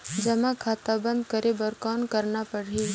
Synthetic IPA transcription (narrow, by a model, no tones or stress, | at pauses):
d͡ʒɐmãkʰaːt̪abə̃nd̪kəɾebəɾkɔːnkəɾnapɐɽɦi